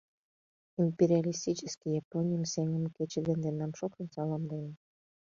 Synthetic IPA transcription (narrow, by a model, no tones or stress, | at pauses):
impeɾʲialʲist̪it͡ɕəskʲijɑponʲijəmseŋəmket͡ɕed̪end̪enɑmʃokt̪ənsɑlɑmd̪ene